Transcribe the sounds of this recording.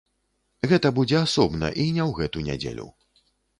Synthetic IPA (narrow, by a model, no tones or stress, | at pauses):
ɣɛt̪ɐbud͡zʲɛasɔbnɐ̰ʔinʲɛwɣɛt̪unʲa̰d͡zʲḛlʲṵ